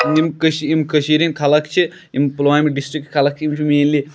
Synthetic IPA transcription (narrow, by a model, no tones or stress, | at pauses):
imkəʃiimkəʃiɾinkʰɐlɐkt͡ʃʰi | implʋaːimiɖisʈɾik̚ʈkʰɐlɐk̚t͡ʃʰiimt͡ʃʰimeːnli